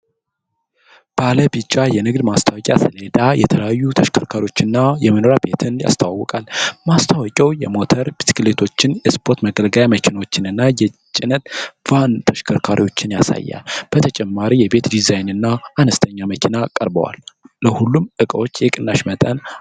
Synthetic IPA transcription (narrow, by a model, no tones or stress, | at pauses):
b̥aləbit͡ʃʼːajɛnɨɡd̪mast̪ʰawɔkʲʼja̰sɨled̪ajɛt̪ʰələjajːut̪ʰəʃkʰəɾkʰaɾiwo̞t͡ʃːɨnːajɛməno̞ɾabe̞t̪ʰɨnja̰st̪ʰawwːɔkʼalmast̪ʰawɔkʲʼɛwjɛmo̞t̪ʰəɾbisi̥klet̪ʰo̞t͡ʃːɪnjɛspʰo̞ɾt̪məɡəlɡəjaməkʰinawot͡ʃːɪnɨnːajɛt͡ʃʼɪnət̪v̥ant̪ʰəʃkʰəɾkʰaɾiwo̞t͡ʃːɪnjasa̰jːa̰lb̥ət̪ʰət͡ʃʼɛmːaɾijɛbe̞t̪d̪izajnɨnːaʔːnəst̪ʰəɲːaməkʰinakʼəɾbə̰wa̰lːəhulːumʔɨkʼəwo̞t͡ʃːjɛkʼɨnːaʃmət̪ʼən